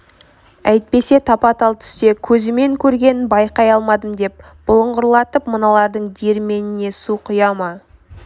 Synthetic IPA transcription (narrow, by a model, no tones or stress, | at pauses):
æjt̪̚pe̞se̞t̪ʰɑpɑt̪ɑlˠt̪ʰʏ̥st̪e̞kʲʰɵzɪme̞ŋkʲʰɵɾɡʲe̞nɪnbɑjqɑjɑlˠmɑd̪əmd̪e̞p̚ | b̥ʊlˠəɴʁʊɾlˠɑt̪əpmənɑlˠɑɾd̪əɴd̪iɾme̞nɪne̞suqʰʊjɑmɑ